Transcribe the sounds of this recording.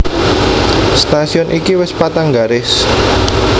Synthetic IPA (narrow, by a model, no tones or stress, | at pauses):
st̪asiɔnʔikiwɪspat̪aŋɡaɾɪs